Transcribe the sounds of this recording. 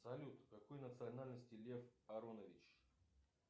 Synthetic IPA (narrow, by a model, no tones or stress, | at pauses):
sɐlʲut̪kɐkojnət̪sɨɐnalʲnəsʲtʲɪlʲefɐɾonəvʲɪt͡ɕ